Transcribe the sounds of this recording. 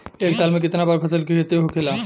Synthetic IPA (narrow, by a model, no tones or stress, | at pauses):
eːksaːlmẽk̬ɪt̪nabaːɾpʰɐsəlkiet̪eɦokʰeːla